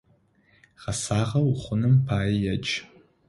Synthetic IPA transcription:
χasaʁawuχʷʊnɨmpʰaːjjat͡ʃʼʰ

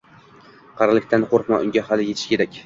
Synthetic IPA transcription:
qʰɑɾlɪkʲt̪ʰanqʰoɾqmaʔʊ̰ŋɡʲahalɪjeɪ̥ʃkʲʰe̞ɾakʲ

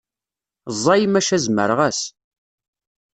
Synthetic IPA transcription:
zˤːɑjmæʃæzmə̰ɾʁæs

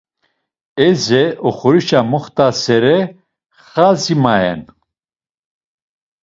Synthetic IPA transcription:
ɛzɛɔχuɾiʃamuχt̪asɛɾɛ | χazimaɛ̰n

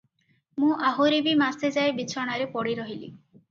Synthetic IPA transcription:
mũʔaɦuɾibimased͡ʒaebit͡ʃʰɔɽ̃aɾepɔɽiɾɔɦilḭ

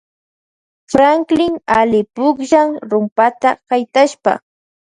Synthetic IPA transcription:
fɾaŋklɪŋalɪpʊkʒaŋɾʊmpat̪akajt̪aʃpa̰

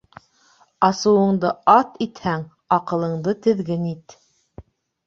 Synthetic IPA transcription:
ɑsɤ̆wɤ̆ɴd̪ɤɑt̪it̪hæŋ | ɑqɤ̆lˠɤ̆ɴd̪ɤt̪ɘ̆ðɡɘnit̪

